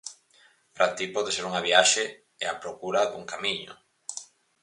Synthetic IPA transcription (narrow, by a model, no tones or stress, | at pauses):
pɾʔat̪ipɔðeseɾuŋaβiaʃe | ɛ̰apɾokuɾaðṵŋkamiɲo̰